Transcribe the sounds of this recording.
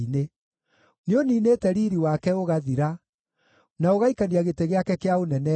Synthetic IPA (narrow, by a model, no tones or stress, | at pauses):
ine | neoniːneːtɛɾiːɾiwakɛoɣaðiɾa | naoɣaikaniaɣeteɣeakɛkeaonɛnɛ